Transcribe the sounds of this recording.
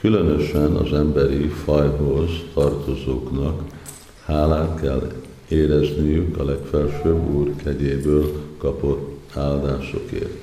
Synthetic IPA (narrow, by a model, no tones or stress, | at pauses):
kylønø̞ʃɛnɒ̰zɛmbɛɾifɒjɦo̞zt̪ɒrt̪o̞zoːknɒk | haːlaːt̪kɛlː | eːɾɛznijykɒlɛkfɛlʃøːbuːrkɛɟeːbøːlkɒpo̞t̪ːaːld̪aːʃo̞̰kḛːrt̪